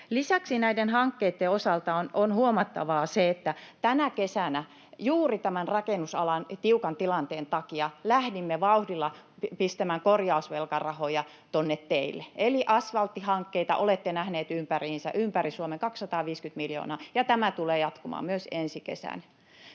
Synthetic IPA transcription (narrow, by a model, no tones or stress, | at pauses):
lisæksinæidenhɑŋkːeit̪ːeosɑlt̪ɑononhuomɑt̪ːɑ̰ʋɑːseet̪ːæt̪ænækesænæ | juːrit̪æmænrɑkenːusɑ̰lɑnt̪iukɑnt̪ilɑnt̪eːnt̪ɑkiɑlæhdimːeʋɑuhdilːɑ | pist̪æmæŋkorjɑusʋelkɑrɑhojɑ | t̪onːet̪teilːeeliʔɑsʋɑlt̪ːihɑŋkːeit̪ɑ̰ʔolet̪ːenæhneːt̪ympæriːnsæ̰ʔympærisuomeŋkɑksːɑt̪ɑːʋiːskyt̪miljo̰ːnɑːjɑt̪æmæt̪uleːjɑt̪komɑ̰ːmyøsensikḛsæ̰næ